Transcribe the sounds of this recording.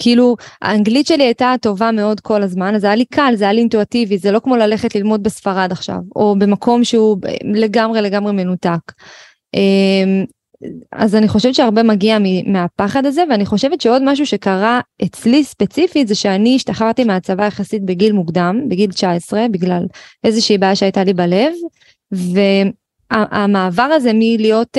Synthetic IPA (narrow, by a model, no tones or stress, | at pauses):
kiilua̰ːŋɡlitʃe̞liajtato̞vame̞o̞dkʰo̞lazmanazajalikʰalzajaliːntuativizelo̞kmo̞lale̞χetlilmo̞d̚besfaʁad̪aχʃa̰vo̞be̞mako̞mʃeṵle̞ɡamʁe̞le̞ɡamʁeme̞nutak | ʔem | a̰zaniχo̞ʃevet̪t͡ʃeaʁbe̞maɡiamimeapaχadaze̞veaniχo̞ʃe̞vet̪ʃeo̞dmaʃ̬uʃekaʁaʔet͡slispe̞t͡sifitzeʃeaniːʃtaχaʁt̪imeat͡savajaχasitbe̞ɡilmuɡd̪ambeɡilt͡ʃaesʁe̞biɡlalʔe̞zeʃiːbaːjaʃeajtalibale̞v | ve̞ | aʔamaːvaʁaze̞milijo̞t